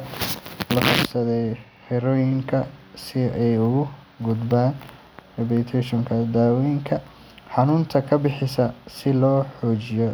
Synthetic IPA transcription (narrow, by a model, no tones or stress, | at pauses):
lɐfɑbsɐðɛj | ħɪɾɔːjɪŋkʰɐsɪɛjʊɣʊ | ɡʊd̪baːn | rɛbɛːt̪ʰɛʃɔŋkʰɐd̪aːwɛjŋkʰɐ | ħɑnʊːnt̪ʰɐkʰɐbɪħɪsɐsɪlɔːħɔːt͡ʃɪjɔ